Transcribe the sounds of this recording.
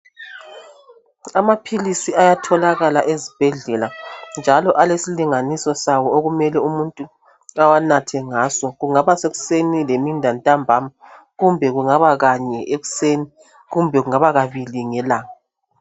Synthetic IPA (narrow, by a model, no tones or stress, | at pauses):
amapʰilisiajatʰɔlaɣalaʔezib̥ʱɛɮɛland͡ʒʱalɔʔalesiliŋanisɔsawɔoɣumɛlɛumuntʼu | awanatʰɛŋasɔɣuŋaβaseɣu̥senilemindʱantʼambʱama | ɣumbʱɛɣuŋaβaɣaɲɛʔeɣu̥seni | ɣumbʱɛɣuŋaβaɣaβiliŋɛlaːŋa